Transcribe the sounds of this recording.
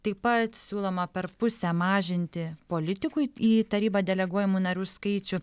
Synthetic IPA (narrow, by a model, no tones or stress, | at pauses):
t̪ɐɪpɐt̪sʲuːlˠoːmɐpʲɛɾpʊsʲɛmɑːʒʲɪnʲt̪ʲɪpoːlʲɪt̪ʲɪkʊiːt̪ɐɾʲiːbɐːd̪ʲɛlʲɛɡuɔjɪmuːnɐɾʲuːskɐɪt͡ʃʲʊ